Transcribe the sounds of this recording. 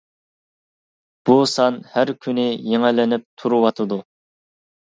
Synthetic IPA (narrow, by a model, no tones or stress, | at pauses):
b̥usɑnhæɾkʲʰynɪjeŋɪlɪnɪp̚t̪ʰuɾuwɑt̪ʰɨd̪u